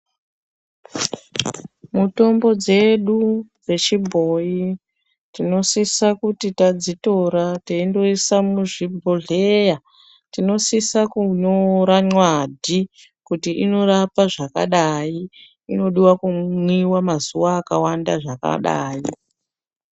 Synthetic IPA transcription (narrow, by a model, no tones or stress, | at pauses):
muto̞mbo̞d͡ze̞ɗu | we̞t͡ʃibʱo̞ji | tino̞sisakutitad͡zito̞ɾateindo̞isamuʐibʱo̞ɮe̞ja | tino̞sisakuɲoɾaɲwadʱi | kutiʔino̞ɾapaʐaka̰ɗai | ino̞ɗiwakumwiwamazuwaːkawandaʐaka̰ɗa̰ːi